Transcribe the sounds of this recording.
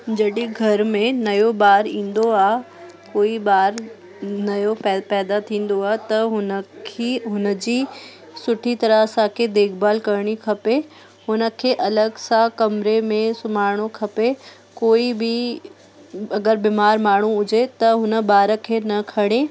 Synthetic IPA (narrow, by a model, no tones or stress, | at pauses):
d͡ʑɐɗiɡʱɐɾmẽnɐjobaːɾĩːn̆d̪oaːɦ | koːibaːɾ | nɐjopɛpɛːd̪at̪ʰĩːn̆d̪oaːɦt̪ɐɦʊnəkʰiɦʊnə̆d͡ʑiː | sʊʈʰit̪ɐɾəsãkʰed̪eːkʰbaːlkɐɾɽ̃ikʰɐpe | ɦʊnə̆kʰeːʔɐləɡsãkɐmɾemẽsʊmaːɾɽ̃okʰɐpe | koːibɪ | ɐɡəɾbiːmaːɾmaːɽ̤ũʊd͡ʑet̪ɐɦʊnə̆baːɾə̆kʰeːnɐkʰɐɽ̃e